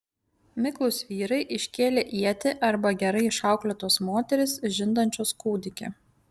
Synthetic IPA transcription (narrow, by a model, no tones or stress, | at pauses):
mʲɪklˠʊsʋʲiːɾɐɪʔɪʃʲkʲeːlʲeʔiɛt̪ʲɪʔɐɾbɐɡʲɛɾɐɪɪʃɑˑʊklʲot̪oːsmoːt̪ʲɛɾʲɪsʒʲɪnd̪ɐnʲt͡ʃʲoskuːd̪ʲɪkʲḛ